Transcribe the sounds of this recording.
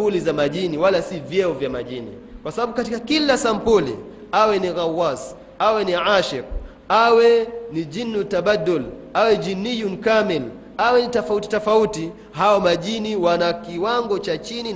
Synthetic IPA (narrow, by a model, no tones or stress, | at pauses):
ulizamaʄiniwalasivjɛɔvjamaʄinḭ | kwasaɓaɓukatikakilasampulḭ | awɛniɣawas | awɛniʕaʃɛk̚ | awɛnid͡ʒinːutaɓadulawɛd͡ʒinijunkamɛl | awɛnitɔfauti̥tɔfauti | ɦajɔmaʄiniwanakiwaŋɡɔt͡ʃat͡ʃini